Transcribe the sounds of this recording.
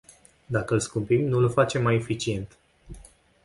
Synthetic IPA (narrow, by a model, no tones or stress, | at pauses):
d̪akəlskumpimnulfat͡ʃe̞mːaje̞fit͡ʃie̞nt̪